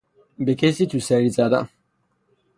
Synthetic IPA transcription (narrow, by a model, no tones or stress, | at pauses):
bekʰesit̪ʰusɛɾit͡sad̪a̰